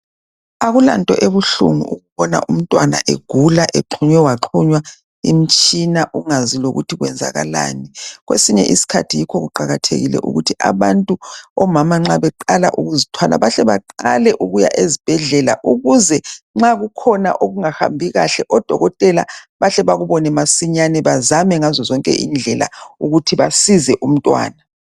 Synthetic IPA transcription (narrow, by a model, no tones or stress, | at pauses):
aɣula̰ntʼɔʔeβuɬṵŋuuɣuβɔna̰ʔum̩tʼwana̰ʔeɡ̥ʱulaʔeǃʰuɲwɛwaǁʰuɲwa | im̩t͡ʃʼinaʔuŋaziloɣutʰiɣwɛnd͡zʱa̰ɣa̰la̰ːniɣwḛsiɲɛ̰ʔisi̥kʰa̰tʰijikʰɔɣuǃaɣatʰḛɣilɛ̰ʔṵɣutʰiʔa̰βantʼuɔmamaŋ͡ǁaβɛǃalaʔuɣuzitʰwala̰βaɬɛβa̰ǃalɛʔuɣuja̰ʔezib̥ʱɛɮɛla̰ʔuɣuzɛŋ͡ǁaɣukʰɔna̰ʔoɣuŋaha̰mbʱiɣaɬɛʔɔd̥ʱɔɣɔtʼɛla̰βaɬɛβaɣuβɔnɛmasiɲanɛβazamɛŋazɔzɔŋkʼɛ̰ʔind͡ɮʱɛla̰uɣutʰiβasizɛʔum̩tʼwa̰ːna